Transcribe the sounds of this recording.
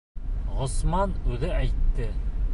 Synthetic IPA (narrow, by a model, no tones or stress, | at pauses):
ʁŏsmɑnʉðɘæjt̪ːɘ